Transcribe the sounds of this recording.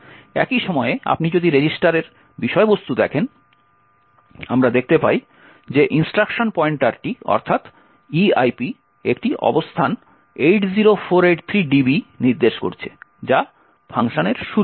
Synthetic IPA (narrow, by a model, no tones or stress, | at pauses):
ɛ̰kiʃɔmɔea̰pnid͡ʑod̪ʱiɾed͡ʑisʈaɾeɾ | biʃɔebost̪ud̪ɛkʰen | amɾad̪ek̚t̪epaj | d͡ʑeʔinsʈɾakʃonpɔeɳʈaɾʈiɔ̰ɾt̪ʰat̪ | iajpi | ekʈiʔɔ̰bost̪ʰan | ejʈd͡ʑiɾofʰoɾeʈt̪ʰɾiɖibiniɾd̪eʃko̰ɾt͡ɕʰe̥̰d͡ʑa | pʰaŋʃoneɾʃu